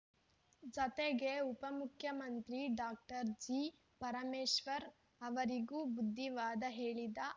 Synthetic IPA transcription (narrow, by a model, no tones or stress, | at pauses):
d͡ʒɐt̪eɡeupɐmukʰjɐmɐnt̪ɾiɖaːk̚ʈɐɾd͡ʒiː | pɐɾɐmeːʃʋɐɾ | ɐʋɐɾiɡuːbud̪ʱːiʋaːd̪ɐɦe̞ːɭid̪ɐ